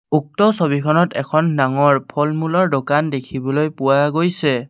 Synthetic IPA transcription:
uk̚tɔsobikʰɔnɔtɛkʰɔnːaŋɔɹpʰɔlmulɔɹdokandekʰibɔlojpʊwaɡojsɛ

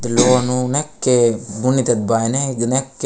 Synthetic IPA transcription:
d̪lonunekːeɡunit̪ɐt̪̚bajneɡnekːe

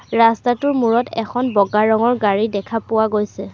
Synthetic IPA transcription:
ɹastatʊɹmuɹɔtɛkʰɔnbɔɡaɹɔŋɔɹɡaɹidɛkʰapʊwaɡojsɛ

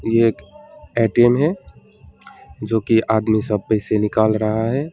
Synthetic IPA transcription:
jeːkɛːʈemɦɛ | d͡ʒoːkiʔaːd̪misəb̚pɛɦɪsenɪkaːlɾɐɦaɦɛː

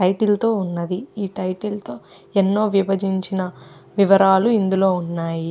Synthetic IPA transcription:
ʈɐjʈilt̪o̞ːunːɐd̪iiːʈɐjʈilt̪o̞ː | enːo̞ːʋiʋɐd͡ʒiɲt͡ʃinɐʋiʋɐɾaːluind̪ulo̞ːunːaːji

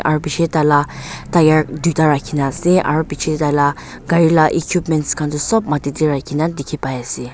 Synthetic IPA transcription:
ʔaɾbit͡ʃʰet̪alat̪ajaɾd̪ut̪aɾakʰinasiʔa̰ɾbit͡ʃʰet̪ala | ɡ̥ajilaʔekʰjupmɛntskʰand̪usɔp̚mat̪id̪iɾakʰinad̪ikʰipajasi

